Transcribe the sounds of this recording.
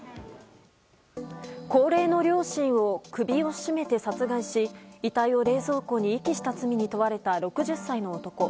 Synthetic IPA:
ko̞ːɾe̞ːno̞ɾʲo̞ːɕĩɰ̃o̞kɯ̟bʲio̞ɕime̞t̪e̞sat͡sɨɡaiɕiit̪aio̞ɾe̞ːzo̞ːko̞ːɲ̟iːkʲiɕi̥t̪at͡sɨmʲiɲ̟it̪o̞βaɾe̞t̪aɾo̞kɯ̟ʑɨsːaino̞ːt̪o̞ko̞

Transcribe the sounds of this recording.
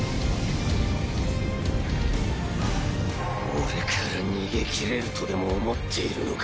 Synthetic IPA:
oɾe̞kʰaɾaɲ̟iːɡe̞kʲʰiɾe̞ɾɯ̟t̪o̞d̪e̞mo̞ːmo̞t̪ʰːe̞iɾɯ̟̰no̰k

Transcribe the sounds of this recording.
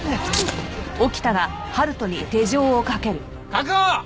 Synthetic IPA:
okʲi̥t̪aɡa | haɾɯ̟t̪o̞ɲ̟it̪e̞ʑo̞ːkake̞ɾɯ̟ | kako

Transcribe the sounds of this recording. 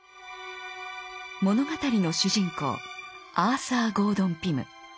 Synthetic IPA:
mo̞no̞ɡat̪aɾʲino̞ɕɨʑĩŋko̞̰ːaːsaːɡo̞ːd̪õ̞mpʲimɯ̟̰

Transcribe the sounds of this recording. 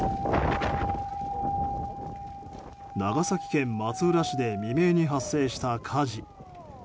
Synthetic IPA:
naɡasakʲi̥kẽ̞mːat͡sɨɯɾaɕid̪e̞mʲime̞ːɲ̟iɦasːe̞ːɕi̥t̪akʰaʑi

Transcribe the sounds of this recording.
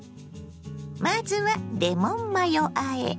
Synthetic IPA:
mazɨβad̪emomːajoʔaḛ

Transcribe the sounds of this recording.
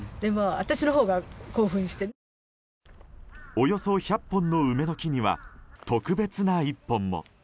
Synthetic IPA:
d̪emaat̪aɕino̞ɦo̞ːɡako̞ːɸɯ̟̃ɕi̥t̪e | o̞jo̞so̞çapːõ̞nːo̞ɯ̟me̞no̞kʲiɲ̟iβa̰t̪o̞kɯ̟be̞t͡sɨnaipːõ̞mːo̰

